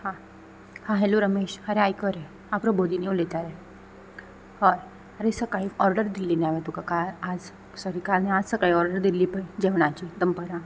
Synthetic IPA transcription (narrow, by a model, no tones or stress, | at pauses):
hã | hãɦeloɾəmeɕhaɾeajkəɾe | apɾobod̪inewlet̪aɾe | hɔɾ | aɾesəkaiɔɾɖəɾd̪ilːinaʋet̪ukakalad͡z | sɔɾikalnead͡zsəkaiɔɾɖəɾd̪iliːpəid͡ʑeʋɽ̃at͡ɕid̪əmpəɾa